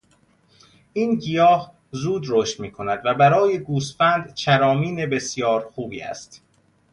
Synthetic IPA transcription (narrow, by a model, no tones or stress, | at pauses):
ʔiːnɟijɒːh | zuːd̪ɾoʃt̪miːkʰo̞næd̪væbæɾɒːje̞ɡuːsfænd̪t͡ʃʰæɾɒːmiːnebe̞sjɒːɾxuːbḭːæ̰st̪